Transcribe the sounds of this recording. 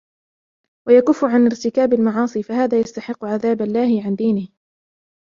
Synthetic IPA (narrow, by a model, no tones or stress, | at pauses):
wajakʊfːʊʕanɪɾt̪ɪkaːbalmɑʕɑːsˤiːfahaːðaːjast̪aħɪqːʊʕaðaːbalːaːhɪʕand̪iːnɪh